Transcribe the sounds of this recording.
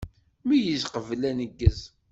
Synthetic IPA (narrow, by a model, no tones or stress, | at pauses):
mijəzqəvlænəɡːəz